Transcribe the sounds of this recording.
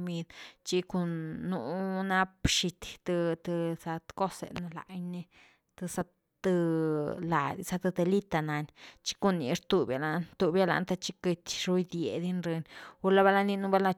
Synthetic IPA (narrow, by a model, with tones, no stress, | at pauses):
mi˧d̪t͡ʃi˦ko˧nːu˧na˦pʃi˧t̪t̪ɨ˧t̪ɨ˧sa˧t̪ko˦sḛ˨na˧la̰˨jni˦˧ | t̪ɨ˧sa˧ | t̪ɨ˧la̰˨d̪i˧sa˧t̪a˧d̪e˧li˦t̪a˧na˨nʲt͡ʃi̥˦ko˧nːḭ˧ɾt̪u˧bja˨la˨nt̪u˧bja˧la̰˧nt̪a˧t͡ʃi˦ke˧t̪ʲɾu˧˦jd̪je˨d̪i˦nɾe˧nʲu˦la˦ba˦la˧ni˧nu˦ba˦la˦˧